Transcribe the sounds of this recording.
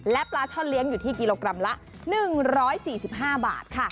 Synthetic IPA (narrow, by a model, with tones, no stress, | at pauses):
lɛ˦˥plaː˦˥t͡ɕʰɔ˥˩nli˦˥əŋjuː˨˩t̪ʰiː˥˩ki˧loː˧kɾa˧mla˦˥ʔ | nɯ˨˩ŋɾɔː˦˥jsiː˨˩si˨˩p̚ɦaː˥˩ba̰ː˨˩t̪̚kʰa˥˩